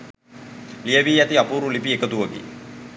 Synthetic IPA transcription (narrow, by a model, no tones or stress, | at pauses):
lijəʋiːæt̪iapuːɾulipiekət̪uʋəɡḭ